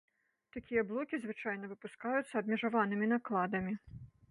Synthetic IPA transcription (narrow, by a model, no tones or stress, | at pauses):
t̪akʲijɐblˠɔkʲizvɨt͡ʂajnɐvɨpuskajʊt̪sːɐːbʲmʲiʐavanɨmʲinaklˠad̪ɐmʲi